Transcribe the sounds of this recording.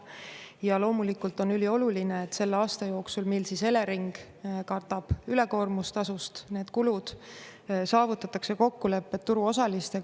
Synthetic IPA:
jɑlo̞ːmulikːult̪o̞nylʲio̞lulineet̪ːse̞lːeɑːst̪ɑjo̞ːksulmilsise̞le̞ɾiŋɡ̥ | kɑrt̪ɑb̥yle̞ko̞rmust̪ɑsust̪ne̞ːd̪̥kulud̪̥ | sɑːvut̪ːˑɑt̪ːˑɑkse̞ko̞kːule̞pːˑe̞t̪ːuɾuo̞sɑlist̪e

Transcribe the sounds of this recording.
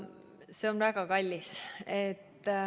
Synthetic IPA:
se̞onvæɡ̥ɑkɑlʲːiset̪ː

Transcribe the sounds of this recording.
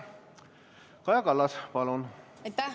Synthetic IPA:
kɑjɑkɑlːɑspɑlun | et̪ːæ

